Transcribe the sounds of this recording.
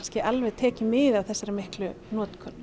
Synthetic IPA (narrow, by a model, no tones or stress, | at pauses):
scɪʔalvɛðt̪ʰɛːcɪmːɪðawθɛsːaɾɪmɪhklʏ | nɔːt̪kʰœnː